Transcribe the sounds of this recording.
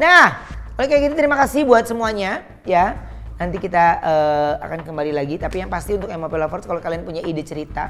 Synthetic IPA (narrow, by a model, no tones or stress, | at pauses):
naholekajakit̪at̪əɾimakasɪbuat̪̚səmuaɲa | ja | nant̪ikit̪aəːa̰kankəmbalilaɡit̪apijaŋpast̪iunt̪ʊkemapelafɔrt̪kalokalianpuɲaidit͡ʃəɾit̪a